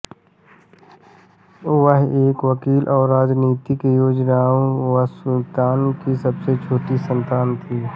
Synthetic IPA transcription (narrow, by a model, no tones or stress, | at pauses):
ʊʋəɦeːkʋəkiːlʔɔːɾːaːd͡ʒniːt̪ikejoːd͡ʒnaːõʋəsʊlt̪aːnkisɐbset͡ʃʰoːʈisə̃nt̪aːnt̪ʰiː